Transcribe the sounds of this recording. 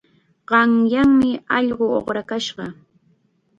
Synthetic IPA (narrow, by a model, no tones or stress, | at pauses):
ɢɑŋjaŋmɪɑʎɢoo̰χɾakaʃɢɑ